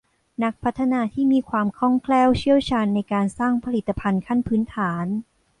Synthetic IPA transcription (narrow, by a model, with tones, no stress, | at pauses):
na˦˥k̚pʰa˦˥t̪ʰːa˧naː˧t̪ʰiː˥˩miː˧kʰwaː˧mkʰɔ˥˩ŋkʰlɛː˥˩wt͡ɕʰi˥˩əwt͡ɕʰaː˧nːa˧jkaː˧nsaː˥˩ŋpʰa˧li˨˩t̪ːa˧pʰa˧nkʰa˥˩npʰɯː˦˥nt̪ʰaː˩˦n